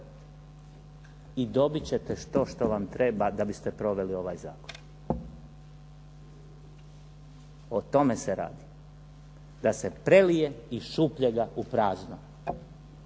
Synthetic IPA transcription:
id̪o̞bit͡ɕe̞t̪eʃt̪o̞ʃt̪o̞ʋamt̪ɾebad̪abist̪epɾo̞ʋe̞lio̞ʋajza̰ːkon | o̞t̪o̞meseɾa̰ːd̪i | d̪ase̞pɾe̞lije̞iʃupʎeɡaupɾaːzno

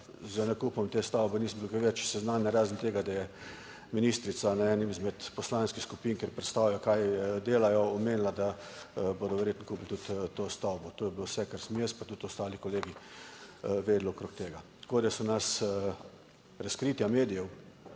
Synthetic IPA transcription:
zənɛkuːpɔmt̪eːst̪awbɛniːsmbukaʋɛt͡ʃsɛznaːnjɛɾaːzənt̪eːɡad̪ajɛ | miniːst̪ɾit̪sanɛɛːnimizmɛt̪pɔslaːnskixskupiːnkeɾpɾɛt̪st̪aːwlajɔkajd̪eːlajɔɔmeːnlad̪aboːd̪ɔʋɛɾjeːt̪nɔkuːplt̪ut̪t̪ːoːst̪awbɔt̪oːjɛbilowsɛkaɾsmjespat̪ut̪ɔst̪aːlikɔleːɡi | ʋeːd̪lokɾokt̪eːɡat̪koːd̪ɛsɔnas | ɾaskɾit̪jameːd̪ijɛw

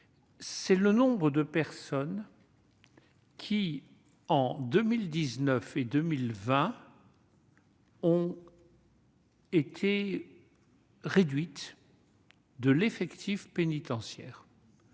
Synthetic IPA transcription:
sɛlənɔ̃bʁəd̪əpɛʁsɔn | kʲʰi | ɑ̃d̪əmild̪iznœfed̪ømilvɛ̃ | ɔ̃ | et̪ʰe | ʁed̪ɥit̪ | d̪əlefɛkt̪ʰifpenit̪ɑ̃sjɛːʁ

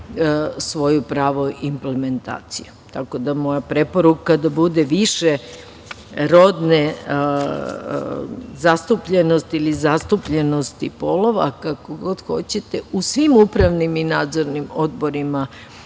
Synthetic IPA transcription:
sʋo̞jupɾaːʋoimple̞me̞nt̪a̰ːt̪sijut̪ako̞d̪amo̞japɾe̞po̞ɾukad̪abud̪eʋiʃe | ɾo̞d̪ne | zast̪upʎenost̪ilizast̪upʎe̞no̞st̪ipolo̞ʋa̰kakoɡo̞d̪xo̞t͡ɕet̪eusʋimupɾaʋniminaːd̪zo̞ɾnimo̞d̪bo̞ɾima

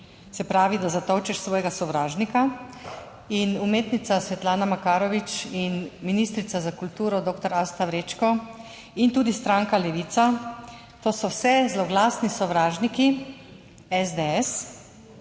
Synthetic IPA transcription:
sɛpɾaːʋid̪azat̪ɔwt͡ʃɛʃsʋɔːjɛɡasɔʋɾaːʒnika | inumeːt̪nit̪sasʋɛt̪laːnamakaːɾɔʋit͡ʃinminist̪ɾit̪sazakult̪uːɾɔd̪oːkt̪ɔɾast̪awɾeːt͡ʃkɔ | int̪uːd̪ist̪ɾaːŋkalɛʋit̪sa | t̪oːsɔwsɛzlɔɡlaːsnisɔʋɾaːʒniki | ɛzd̪eɛs

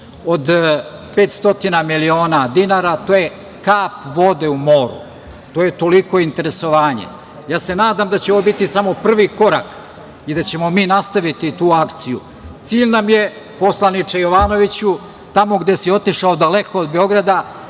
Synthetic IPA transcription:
od̪ | pe̞ːt̪st̪o̞t̪inamilio̞ːnad̪inaɾat̪oːje̞ | kaːpʋo̞d̪e̞umo̞ːɾṵ | t̪o̞ːje̞t̪o̞liko̞int̪e̞ɾe̞so̞ʋaːɲḛ | jaːse̞naːd̪amd̪at͡ɕeoobit̪isamo̞pr̩ʋiko̞ɾa̰k | id̪at͡ɕe̞mo̞miːnast̪aʋit̪it̪uːakt̪sijṵ | t̪siːʎnamje̞ | po̞slˠanit͡ʃejo̞ʋano̞ʋit͡ɕu | t̪amo̞ɡd̪e̞sio̞t̪iʃaod̪ale̞ko̞ːd̪̚be̞o̞ɡɾad̪a

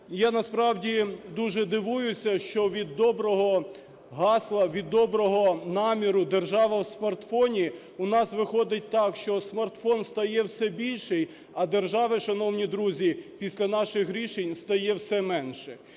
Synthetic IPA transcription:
janɐspɾɑwdʲid̪uʒɛd̪ɪʋujʊsʲɐʃt͡ʃɔʋʲid̪ːɔbɾɔɦɔ | ɦɑslˠɐʋʲid̪ːɔbɾɔɦɔnɑmʲiɾʊd̪erʒɑʋɐwsmɐrt̪fɔnʲi | ʊnɑsʋɪxɔd̪ɪt̚ʲt̪ɑkʃt͡ʃɔsmɐrt̪fɔnst̪ɐjɛwsɛbʲilʲʃɪj | ɐd̪erʒɑʋɪʃɐnɔwnʲid̪ɾuzʲipʲisʲlʲɐnɑʃɪxɦɾʲiʃenʲst̪ɐjɛwsɛmɛnʃɛ

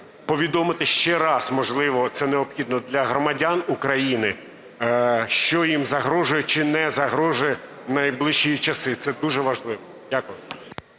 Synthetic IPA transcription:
pɔʋʲid̪ɔmɪt̪ɪʃt͡ʃɛɾɑsmɔʒlˠɪʋɔt̪sɛneɔbxʲid̪nɔd̪lʲɐɦɾɔmɐdʲanukɾɐjinɪ | ʃt͡ʃɔjimzɐɦɾɔʒʊjɛt͡ʃɪnɛzɐɦɾɔʒʊjɛ | nɐjblˠɪʃːijit͡ʃɐsɪt̪sɛd̪uʒɛʋɐʒlˠɪʋɔ | d̥ʲakʊjʊ

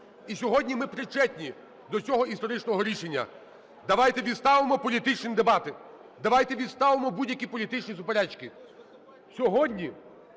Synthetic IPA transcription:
isʲɔɦɔdʲnʲimɪpɾɪt͡ʃɛtʲnʲi | d̪ɔt͡ssʲɔɦɔist̪ɔɾɪt͡ʃnɔɦɔɾʲiʃenʲːɐ̰ | d̪ɐʋajt̪ɛʋʲid̪st̪ɑʋɪmɔpɔlʲit̪ɪt͡ʃnʲid̪ebɑt̪ɪ | d̪ɐʋɑjt̪ɛʋʲid̪st̪ɑʋɪmɔbudʲjɐkʲipɔlʲit̪ɪt͡ʃnʲizʊpeɾɛt͡ʃkɪ | sʲɔɦɔdʲnʲi

